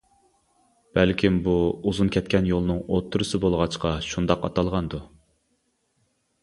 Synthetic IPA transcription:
b̥ɛlkʲʰimbuuzunkʲʰɛt̪̚kʲɛnjolˠɨnɨŋot̪ʰːuɾɨsɨbolˠʁɑt͡ʃqɑʃund̪ɑqɑt̪ɑlˠʁɑnd̪u

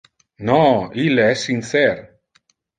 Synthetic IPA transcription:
nɔileɛsːinθɛɾ

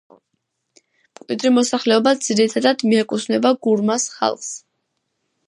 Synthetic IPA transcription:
mkʼwid̪ɾimɔsaχlɛɔbad̪z̥iɾit̪ʰad̪ad̪̥miɛkʼusʰnɛbaɡuɾmasχa̰lˠχs

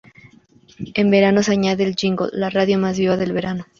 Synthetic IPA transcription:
e̞mbe̞ɾano̞s̬aɲaðe̞ːld͡ʒiŋɡo̰lːaraðjo̞mazβiβaðe̞lβe̞ɾano̞

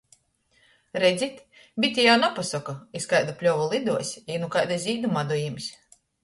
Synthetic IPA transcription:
ɾɛd̪zʲit̪ | bʲit̪ʲijawnapasɔkuiskajd̪upʲlʲɔvɔlˠid̪uɔsʲinukajd̪azʲiːd̪umad̪ujimisʲ

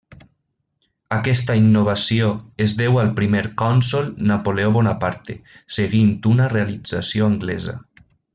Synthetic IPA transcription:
akɛst̪ainːoβ̞asioezðɛwalˠpɾimeɾkɔnsolˠnapoleoβɔnapaɾt̪e | seɣint̪unarealid͡zasioaŋɡlɛza̰

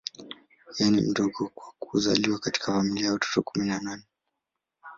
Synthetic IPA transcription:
janḭm̩dɔɡɔkwakuza̰liwakati̥kafamiliajawatɔ̥tɔkuminananɛ

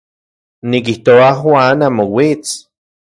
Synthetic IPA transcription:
nikiht̪oaxwanamowit͡s

